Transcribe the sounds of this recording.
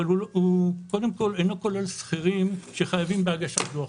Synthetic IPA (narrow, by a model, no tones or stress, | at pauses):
aluuko̞d̪emko̞lenokolelsχiʁimʃeχajavimbeaɡaʃat̪lo